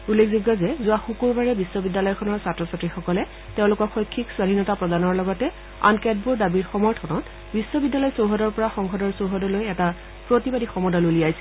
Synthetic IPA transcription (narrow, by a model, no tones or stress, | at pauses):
ulːekʰzɔɡɔzɛzʊaxukuɹbaɹɛbisːɔbidːalɔjɔkʰɔnɔɹsatɹɔsatɹixɔkɔlɛ | teʊ̃lʊkɔxɔjkʰːikswadʱinɔtapɹɔdanɔɹlɔɡɔtɛ | a̰nkɛd̚buɹdabiɹxɔmɔɹtʰɔnɔt | bisːɔbidːalɔjsowɦɔdɔɹpɔɹaxɔŋxʰɔdɔɹsowɦɔdɔlojɛta | pɹotibadixɔmɔdɔloliajsɛ̥